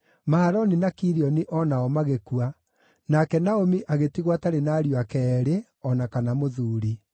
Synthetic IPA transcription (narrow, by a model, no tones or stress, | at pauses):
maaɾɔninakiɾiɔniʔɔnaɔmaɣekua | nakɛnaomiʔaɣetiɣwataɾenaːɾjwakɛɾe | ɔnakanamoðuːɾi